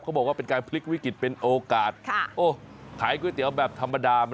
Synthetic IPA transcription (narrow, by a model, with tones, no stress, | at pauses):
kʰːbɔː˨˩k̚waː˥˩pe˧nkaː˧npʰli˦˥k̚wi˦˥ki˨˩t̪̚pe˧nʔoː˧kaː˨˩t̪̚kʰʔoː˧˩ | kʰaː˩˦jk̬uː˧jt̪i˨˩˦əwbɛː˨˩p̚t̪ʰa˧mːa˧daː˧m˧